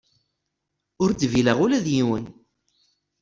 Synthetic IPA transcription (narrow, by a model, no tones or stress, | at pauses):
ʊɾt͡sːviləʁʊlæðjiwən